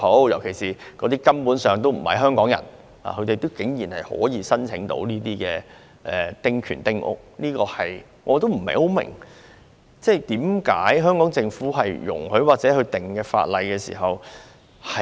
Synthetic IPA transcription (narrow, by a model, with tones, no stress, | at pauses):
o˨˥wjɐ˨˩wkʰe˨˩jsiː˨˩kɔː˨˧t̪iː˥kɐ˥mpuː˨˥nsœː˨ŋt̪o˥wm̩˨˩hɐ̰˨jɦœː˥ŋkɔː˨˥ŋjɐ̰˨˩n | a̰ː˨hʰɵ˧ɥt̪e˨jt̪o˥wkɪ˨˥ŋjiː˨˩nhɐ˨jhɔ̰ː˨˥jiː˨˧sɐ˥nt͡sʰɪ˨˥ŋt̪o̰˧˥wniː˥t̪iː˥kɛː˧ | ʔɛː˨t̪ɪ˥ŋkʰyː˨˩nt̪ɪ˥ŋʔʊ̰˥k̚niː˥kɔː˧hɐ˨j | ŋʔɔː˨˧t̪o˥wm̩˨˩hɐ̰˨jho˨˥wmɪ̰˨˩ŋ | t͡sɛː˥˩t̪iː˨˥mkaː˨˥jɦœː˥ŋkɔː˨˥ŋt͡sɪ˧ŋfuː˨˥ɦɐ˨jjʊ̰˨˩ŋhɵ˨˥ɥwaː˨k̚t͡sɛː˨˥hɵ˧ɥt̪ɪ˨˩ŋkɛː˧fa̰ː˧t̚lɐ˨jkɛː˧sḭː˨˩ɦɐ˨w | hɐ˨